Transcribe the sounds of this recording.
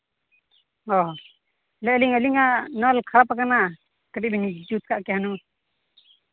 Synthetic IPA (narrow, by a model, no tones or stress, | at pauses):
ɔ | lɛliŋəliŋanɔlkʰaɾapakana | kəɖiʔbɛnid͡ʒut̪̚kʰaʔkɛɦanu